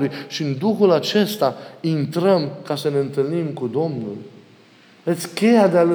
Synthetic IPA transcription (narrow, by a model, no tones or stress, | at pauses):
lujʃiɨnd̪uxulat͡ʃe̞st̪aint̪ɾəmkasəne̞ɨnt̪ɨlnimkud̪o̞mnṵl | ət̪sʲkʲe̞jad̪ealu